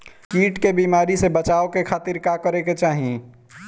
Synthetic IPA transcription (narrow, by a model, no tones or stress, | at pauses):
kiːʈkebiːmaːɾisebət͡ʃaːokekʰaːt̪iɾkakəɾeket͡ʃaːɦĩ